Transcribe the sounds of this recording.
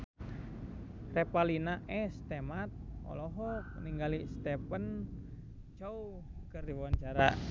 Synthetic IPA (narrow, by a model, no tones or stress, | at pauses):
rɛpalinaʔɛst̪emat̪̚ɔ̰lɔɦɔniŋɡalist̪ɛpən | t͡ʃow | kərdiwwaɲt͡ʃaɾa